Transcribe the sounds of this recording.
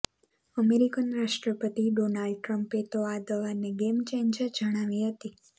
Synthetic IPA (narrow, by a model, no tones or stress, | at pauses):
əmeɾikənɾaʃʈɾəpət̪iɖonalɖ̚ʈɾəmpet̪oad̪əʋaneɡemt͡ʃẽɲd͡ʒəd͡ʒəɽ̃aʋiɦət̪i